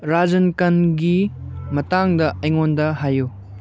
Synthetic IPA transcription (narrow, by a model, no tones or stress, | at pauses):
ɾad͡ʒɐnkɐnɡimɐtaŋdɐʔɐjŋondɐɦaju